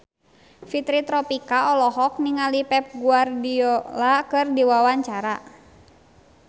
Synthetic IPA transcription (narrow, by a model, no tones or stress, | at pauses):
fit̪ɾit̪ɾɔpikaɔlɔɦɔk̚niŋalipɛp̚ɡuardiɔlakɨrdiwawaɲt͡ʃaɾa